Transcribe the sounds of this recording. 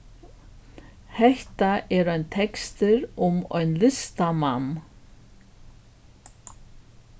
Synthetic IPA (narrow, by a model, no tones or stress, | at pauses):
hɛht̪aʔɛɾœɥnt̪ʰɛkst̪ɪɾʊmœ̰ɥnlɪst̪amanː